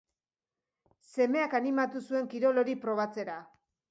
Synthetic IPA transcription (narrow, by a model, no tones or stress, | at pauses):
se̞me̞akanimat̪usue̞ŋkiɾo̞lo̞ɾipɾo̞β̞at͡se̞ɾa